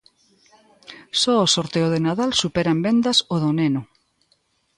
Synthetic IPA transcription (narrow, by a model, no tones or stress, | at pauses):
sɔosoɾt̪eoðenaðalsupeɾambend̪asoðoneno